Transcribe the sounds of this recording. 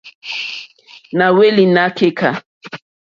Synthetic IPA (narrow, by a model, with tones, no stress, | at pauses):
na˨we˦li˨na˦ke˦kʰa˨